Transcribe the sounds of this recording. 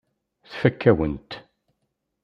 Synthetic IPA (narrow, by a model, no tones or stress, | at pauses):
θfækʰːæwənt̪